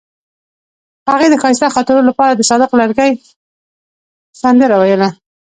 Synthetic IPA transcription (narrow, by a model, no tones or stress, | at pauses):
haɣed̪əxɑɪst̪axɑt̪ɪɾolapɑɾad̪əsɑd̪ɪqlaɾɡaj | sand̪əɾawajəla